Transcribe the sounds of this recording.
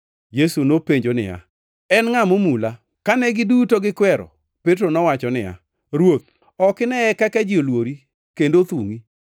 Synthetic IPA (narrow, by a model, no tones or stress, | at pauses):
jesunopeɲd͡ʒonɪ̰ja̰ | ɛnŋamomula | kanɛɡɪdutoɡɪkwɛɾɔ̰ | pet̬ɾonɔwat͡ʃɔnɪ̰ja̰ | ɾwot̪̚ | ɔkɪnɛɛkɛkɛd͡ʒɪolwoɾi | kendot̪uŋi